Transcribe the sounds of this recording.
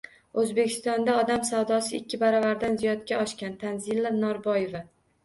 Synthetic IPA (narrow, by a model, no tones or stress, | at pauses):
ɵzbe̞kʲʰɪ̥st̪ɒnd̪aɒd̪amsawd̪ɒsɪɪkʲʰːɪbaɾɒvaɾd̪anzijɒt̪kʲaɒʃkʲant̪ʰanzilːanɒɾbɒjeva